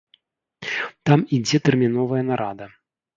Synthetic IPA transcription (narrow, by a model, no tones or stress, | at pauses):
t̪amid͡zʲɛt̪ɛrmʲin̪ɔvɐjɛnaɾad̪ɐ